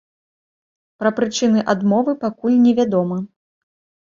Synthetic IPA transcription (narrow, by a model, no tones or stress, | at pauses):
pɾɐpɾɨt͡ʂɨnɨʔad̪mɔvɨpakulʲnʲɛvʲad̪ɔmɐ